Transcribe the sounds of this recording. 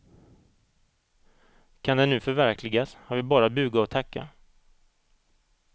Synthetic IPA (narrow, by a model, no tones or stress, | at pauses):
kʰand̪ɛnːʉ̟ːfœɾvæɾkʰlɪɡashaɾvɪbɑːɾabʉ̟ːɡaɔt̪ʰakːa̰